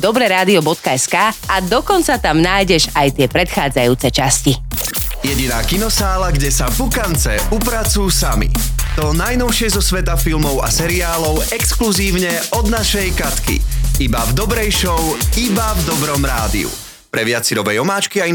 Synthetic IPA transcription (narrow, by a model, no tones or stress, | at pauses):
d̪ɔbɾɛɾaːd̪iɔbɔt̪kaɛskaːad̪ɔkɔnt͡sat̪amnaːjɟɛʒajt̪ɪɛpɾɛt̪xaːd͡zajuːt͡sɛt͡ʃascijɛɟinaːkinɔsaːlaɡɟɛsavukant͡sɛupɾat͡sujusamḭt̪ɔnajnɔʊʃɪɛzɔsʋɛt̪afilmɔʊa̰sɛɾiaːlɔʊɛkskluziːʊɲɛɔd̪naʃɛjkat̪kḭibavd̪ɔbɾɛjʃɔʊibavd̪ɔbɾɔmɾaːd̪ḭṵ | pɾɛʋɪat͡siɾɔbɛjɔmaːt͡ʃkiai